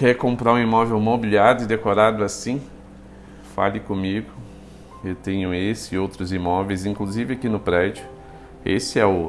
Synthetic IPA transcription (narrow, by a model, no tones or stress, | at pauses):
kɛɾkõmpɾaʊ̃imɔvewmobiliaɾɪd̪ekoɾad̪ʊasĩ | fa̰lɪkõmiɡʊ | ewt̪ẽɲʊesɪowt̪ɾʊzimɔvejzĩŋkluzivɪakinʊpɾɛd͡ʒʊ | ḛsɪɛʊ